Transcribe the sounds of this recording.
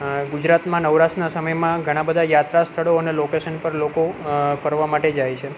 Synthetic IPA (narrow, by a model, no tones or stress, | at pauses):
ɡud͡ʒɾat̪mãnəʋɾaʃnasəməjmãɡʱəɽ̃ãbəd̪ʱajat̪ɾast̪ʰəɭoənelokeʃənpəɾlokofəɾʋamaʈed͡ʒajt͡ʃʰe